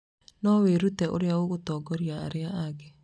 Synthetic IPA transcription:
nɔweɾutɛʔo̰ɾeawoɣotɔːɡɔɾia̰ːɾeaaɡɛ

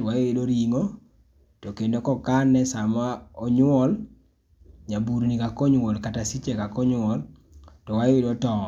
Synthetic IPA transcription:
wajwedoɾiŋo | tokendokɔkanɛsamaɔɲwɔl | ɲabuɾnikakɔɲwɔlkatasit͡ʃekakɔɲwɔl | tɔwajedotɔ

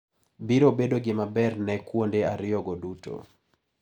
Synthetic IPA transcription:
biɾobedoɡɪmabɛrnɛkwondeaɾɪjɔɡodutʰo̰

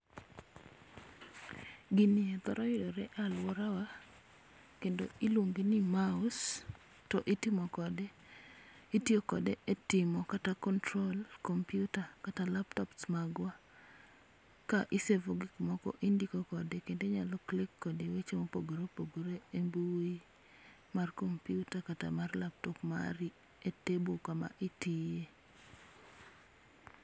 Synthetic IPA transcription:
ɡɪnɪɛt̪ɔɾɔjɪdɔɾɛʔalwɔɾawa | kendoɪlwoŋɡenɪmaʊs | tɔʔitɪmɔkɔde | itjokɔdeetɪmɔkatakɔntɾolkɔmpjutakatalaptɔpsmaɡwa | kaʔɪsevoɡɪkmɔkɔ̰ʔindikokɔdekendeɲalɔklɪkːɔdewet͡ʃemopoɡoɾopoɡoɾeembui | markompjutakata̰marlap̚tɔpma̰ɾi | etebokama̰ʔitije

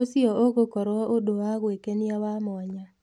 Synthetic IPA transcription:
osɪɔoɡokɔɾwɔʔodoaɣwekenɪawamɔɲa

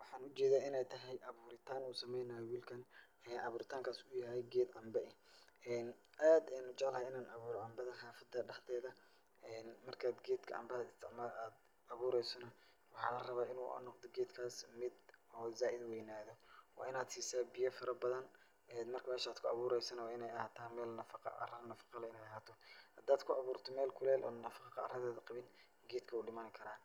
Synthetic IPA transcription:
wɑħɑːnʊt͡ʃɛːðaːɪnɛjt̪ʰɐɦɛjʔɐβuːɾɪt̪ʰaːnuːsɐmɛjnɐjɔwiːlkʰɐn | ɛːnʔɐβuːɾɪt̪ʰaːŋkʰaːsʊjɐɦɛjɡɛːd̪ɐmbɛʔɪɛːnʔaːd̪ɛjnʊt͡ʃɛʕlɐhɛjɪnaːnɐβuːɾɔʔɐmbɐðɐħɑːfɐd̪ɐɖɑħt̪ʰɛːðɐ | ɛːnmɐrkʰaːd̪ɡɛːd̪kʰɐʔɐ̰mbɐːd̪ɪst̪ʰɪʕmaaːd̪ | ɐβuːɾɛjsɔnɐ | wħɑːlɐrɐβaːɪnṵːʔɐ̰nːɔqd̪ɔɡɛːd̪kʰaːsmɪd̪ɔːzaːʔɪd̪wɛjnaːðɔwɑ̰ːʔɪnaːd̪siːsaːbɪjɐfɐɾɐbɐðɐn | ɛːnmɐrkʰɐmɛːʃaːd̪̥kʰʊɑβuːɾɛjsɐnɐwɑːɪnɛjɐhaːt̪ʰaːmɛːlnɐfɑqɑ̰ʔɐ̰rɐnɐfɑ̥qɑlɐɪnɛjɐhaːt̪ʰɔhɐd̪aːd̪kʰʊʔɑβuːrt̪ʰɔmɛːlkʰʊlɛːlʔɔːnɐfɑqqɑɐ̰rɐðɛːðɐqɑβɪn | ɡɛːd̪kʰɐʊɖɪmɐːnkʰɐɾaːn

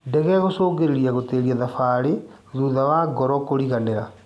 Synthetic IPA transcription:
ndɛɣɛɣosoːɣeɾeɾiaɣoteːɾiaðafaɾe | ðuːðawaɡɔɾɔkoɾiɣaneɾa

